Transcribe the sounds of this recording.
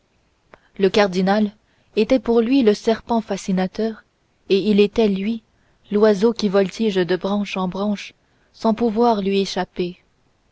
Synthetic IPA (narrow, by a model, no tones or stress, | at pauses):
ləkaʁd̪inal | et̪ɛpuʁlɥiləsɛʁpɑ̃fasinat̪œːʁ | eilet̪ɛlɥi | lwazokʲivɔlt̪iʒd̪əbʁɑ̃ʃɑ̃bʁɑ̃ʃ | sɑ̃puvwaːʁlɥieʃape